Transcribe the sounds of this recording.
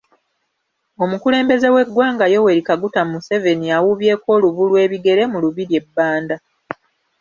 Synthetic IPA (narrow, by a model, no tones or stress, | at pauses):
o̞mukule̞ːmbe̞ze̞we̞ɡwaːŋɡajo̞we̞ɾikaɡutammuse̞ve̞niawuβje̞ːko̞ːluβulwe̞ːβiɡe̞ɾe̞muluβiɾje̞bːaːnda